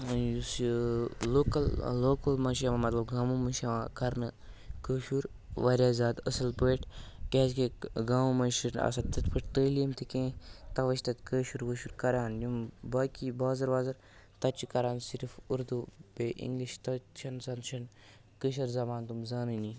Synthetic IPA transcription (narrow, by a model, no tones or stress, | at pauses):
jus | loːkɐlːoːkɐlmɐnʃamamɐt̪lɐbɡaːmumɐnʃɐʋãːkɐɾnɨkəːʃuɾ | ʋaːɾjaːzaːd̪əsɐlpəːʈʰkʲeːzkeɡaːmumɐnʃinɐ̰sɐt̪ɐt̪pʰəʈ̚t̪əːlimt̪ʰikẽːt̪ɐʋɐʃt̪ɐt̪kəːʃuɾʋəʃuɾkɐɾaːnjumbaːkibaːzɐɾʋaːzɐɾ | t̪ɐt͡ʃikɐɾaːnsiɾfuɾd̪ubeʔḭŋɡliʃt̪ɐʃʰɐnsɐnʃʰɐn | kəʃ̬ɐɾzɐmaːnt̪umzaːnɨni